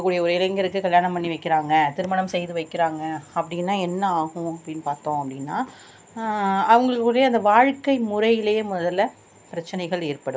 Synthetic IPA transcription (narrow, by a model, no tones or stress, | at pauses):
ɐkːuːɽɪjɐɔɾɯɪlɐŋɡɪɾɯkːɯkɐljaːnɐmpːɐnːiʋɐɪkːɪɾaːŋɡɐt̪ɪɾɯmɐɳɐmsɛjðɯʋɐɪkːɪɾaːŋɡɐɐpːɐɽɪnːaːɛnːɐaːɣʊ̃ɐpːɐɽɪnːɯpaːɾt̪õːɐpːɐɽɪnːaː | ɐʋɐŋɡɐɭɯkːɽɐjɐɐnd̪ɐʋaːɻkːɐɪmʊɾɐjɪleːmʊðɐlːɐ | pɪɾɐt͡ʃːɐnɐɪɣɐɭeːɾpɐɽɯ